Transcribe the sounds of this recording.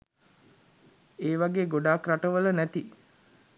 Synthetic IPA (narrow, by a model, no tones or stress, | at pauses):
eːʋaɡeːɡoɖaːkraʈəʋələnæt̪i